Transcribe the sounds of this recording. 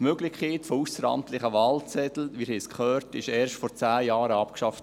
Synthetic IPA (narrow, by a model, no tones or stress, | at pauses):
møɡlɪkʰeːtfousəɾɑ̰mt̪lɪχəʋɑːlt͡sɛt̪l̩ʋiːɾhiskχœːɾtɪʃɛːɾʃtfɔɾt͡sæːjɑːɾəɑpkʃɑft